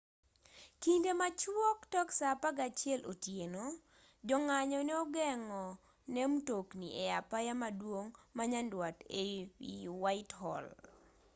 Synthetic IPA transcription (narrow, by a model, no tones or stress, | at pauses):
kindemat͡ʃwɔktɔksapaɡat͡ʃjɛlʔotjeno | d͡ʒɔŋaɲɔnɛɔɡɛŋɔ | nɛmtokniʔɛapajamadwoŋmaɲandwateiwaɪthɔ̰l